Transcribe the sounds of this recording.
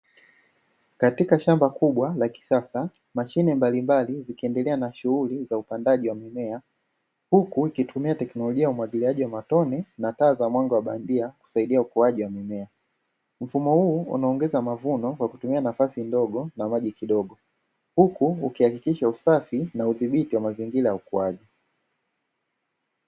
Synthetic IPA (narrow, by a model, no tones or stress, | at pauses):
katikaʃambakuɓwalaki̥sasa | maʃinɛmbalimbalizikiɛndɛlɛanaʃuulizaupandaʄiwamimɛa | hukuikitʰumiatɛknɔlɔʄiaumwaɡiliaʄiwamatɔnɛnataːzamwaŋɡɔwaɓandiaku̥saiɗiaukuaʄiwamimɛa | m̩fumɔhuːṵnaɔːŋɡɛzamavunɔkwaku̥tumianafasindɔɡɔnamaʄikiɗɔɡɔ | hukuːkihakikiʃausafinauðiɓitiwamaziŋɡilajaukuaʄi